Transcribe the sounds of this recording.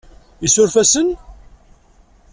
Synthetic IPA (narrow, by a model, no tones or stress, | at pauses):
isʊɾfæsən